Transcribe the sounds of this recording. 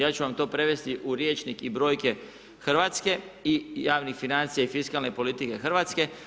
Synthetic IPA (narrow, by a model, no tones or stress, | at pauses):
jaːt͡ʃuʋamt̪o̞ːpɾe̞ʋe̞st̪iʔuɾje̞t͡ʃnikibɾo̞ːjke̞ | xr̩ʋaːt̪ske̞ijaːʋnixfinant̪sijaifiskalˠnepo̞lit̪ike̞xr̩ʋaːt̪ske̞